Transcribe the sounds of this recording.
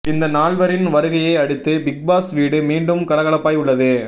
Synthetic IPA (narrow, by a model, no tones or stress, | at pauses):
ɪnd̪ɐnaːɭʋɐɾɪnʋɐɾɯɣɐjɐɪɐɽɯt̪ːɯbɪɡ̚baːsʋiːɽɯmiːɳɖɯmkɐɽɐɣɐɭɐpːaːjʊɭːɐðɯ